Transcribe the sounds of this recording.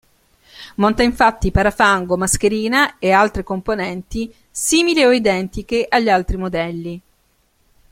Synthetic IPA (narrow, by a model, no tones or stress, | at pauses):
mont̪aiɱfat̪ːipaɾafaŋɡomask̟eɾiːnaealt̪ɾekomponɛnt̪i | siːmilioid̪ɛnt̪ikeʔaʎːalt̪ɾimod̪ɛlːi